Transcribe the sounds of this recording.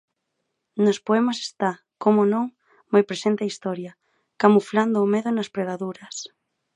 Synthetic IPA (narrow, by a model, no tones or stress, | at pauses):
nospoɛmase̥st̪a | komonõŋ | majpɾesent̪eaist̪ɔɾjɐ | kamufland̪ʊːmeðʊnɐspɾeɣaðuɾɐs